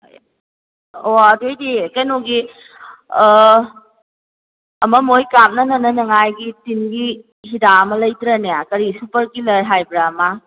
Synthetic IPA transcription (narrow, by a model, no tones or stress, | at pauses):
oɐdojdikɐjnoɡi | ɐmɐmojkam̚nɐnɐnɐnɐŋajɡitinɡi | hidaɐmɐlɐjtɾɐnejakɐɾisupɐɾkilɐɾɦajbɾaːma